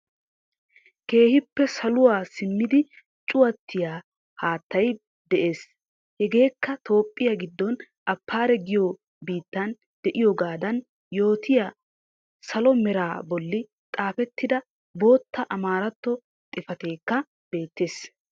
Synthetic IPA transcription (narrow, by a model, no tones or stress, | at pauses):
ke̞ːhɪpːɛsɐlʊwaːsɪmːɪd̪ɪ | t͡ʃʼʊwɐt̪ːɪjaː | haːt̪ːɐj | d̪ɛʔe̞ːs | hɛɡe̞ːkːɐt̪ʰo̞ːpʼːɪjɐɡɪd̪ːɔn | ʔɐpːaːɾɛɡɪjoː | biːt̪ːɐn | d̪̥ɛʔɪjoɡaːd̪ɐn | jo̞ːt̪ʰɪja | sɐlɔmɛɾaːbɔlːɪ | t̪ʼaːfɛt̪ːɪd̪ɐ | bo̞ːt̪ːɐʔɐmaːɾɐt̪ːɔ | t̪ʼɪfɐt̪e̞ːkːɐ | b̥e̞ːt̪ːe̞ːs